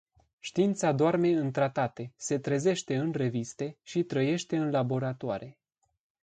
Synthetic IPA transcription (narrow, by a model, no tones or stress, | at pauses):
ʃt̪iint̪sad̪oarme̞ɨnt̪ɾat̪at̪e̞se̞t̪ɾeze̞ʃt̪e̞ɨnre̞vist̪e̞ʃit̪ɾəje̞ʃt̪e̞ɨnlabo̞ɾat̪oaɾe̞